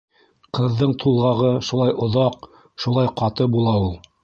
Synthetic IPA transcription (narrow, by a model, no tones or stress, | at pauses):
qɤ̆ðːɤɴt̪ʰulˠʁɑʁɤʃulˠɑjŏðɑq | ʃulˠɑjqɑt̪ɤbulˠɑulˠ